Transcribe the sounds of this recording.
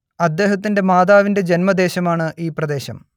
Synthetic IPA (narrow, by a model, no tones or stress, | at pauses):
ɐd̪ːe̞ːɦɐt̪̬ːinde̞maːd̪aːʋinde̞d͡ʑenmɐd̪e̞ːɕɐmaːɳɨʔiːprɐd̪e̞ːɕɐ̰m